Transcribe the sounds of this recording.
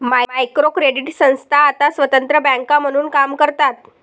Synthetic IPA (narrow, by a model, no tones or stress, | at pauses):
majajkɾokɾeɽiʈsə̃w̃st̪ʰaːt̪asʋət̪ənt̪ɾəbɛ̃ŋkam̤əɽ̃uːnkamkəɾt̪at̪̚